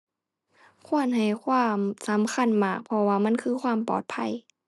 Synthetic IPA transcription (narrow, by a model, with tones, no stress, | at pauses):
kʰu˧˥˩ənɦa˨˩jkʰwaː˧˥˨msa˨˦mkʰa˧˥˨nmaː˨˩k̚pʰɔ˧waː˧˩ma˧˥˨nkʰɯː˧˥˨kʰwaː˧˥˨mpɔ̰ː˨˩t̪̚pʰa˧˥˨j